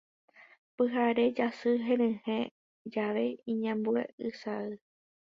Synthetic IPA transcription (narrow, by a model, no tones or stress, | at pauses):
pɨɦaɾe̞d͡ʒasɨɦẽɾɨ̃hẽ | d͡ʒaʋe̞ĩɲãmbuḛɨsaɨ